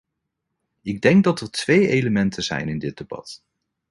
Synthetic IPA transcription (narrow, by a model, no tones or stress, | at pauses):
ɪɡ̚dɛŋɡ̚dɑtəɹtʋejejləmɛntʰəzɛ̰jnɪndɪd̚debɑ̰t